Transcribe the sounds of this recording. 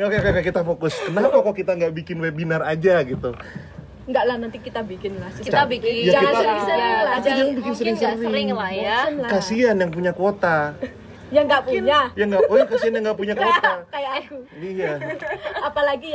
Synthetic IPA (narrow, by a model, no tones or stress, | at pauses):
okeokeokekit̪afokʊskənapakakit̪aŋɡaʔbikɪnwebinarad͡ʒaɡit̪u | ŋɡaʔlahnant̪ikit̪abikɪnlast͡ʃaaijaɡaaabisalaaid͡ʒaŋanbikɪnsəɾɪŋsəɾɪŋajaalakasianjaŋp̬uɲakot̪a | jaŋɡaʔpuɲajaŋɡapuɲakasianjaŋɡaʔpuɲakot̪akajaʔakuijaapalaɡi